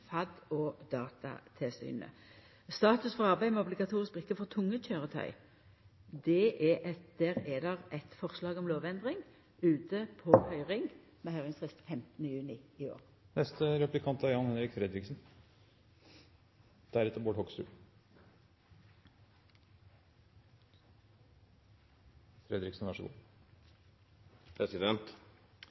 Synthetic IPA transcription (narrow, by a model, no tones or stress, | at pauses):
fɑd̪ɔːd̪ɑːt̪ʰɑ̰t̪ʰɪlsy̰ːnə̰ | st̪ɑːt̪ʉsfɔʁɑʁbæɪmɛɔblɪɡɑt̪ʰuːʁɪsk̚bʁɪkːəfɔʁt̪ʰʊŋːəc͡çøːʁət̪ʰœ̰ʏ | d̪ɛʔɛʔɛd̪̥ɛʁɛd̪ɛʁɛt̪fɔʁslɑːɡɔmloːʋɛnd̪ʁɪŋ | ʉːt̪ʰəpʰɔhœʏʁɪŋ | mɛhœʏʁɪŋsʁɪst̪fɛmt̪ənəjʉːnɪɪo̰ːʁ | nɛst̪əɾɛplɪkʰɑnt̪æɾjɑnhɛnɾɪkfɾɛd̪ɾɪksn̩ | d̪̥æɾɛt̪ːəɾboːʈhɔksʉ̰ː | fɾɛd̪ɾɪksn̩ʋæʂəɡṵː | pʰɾɛsɪd̪ɛnt̪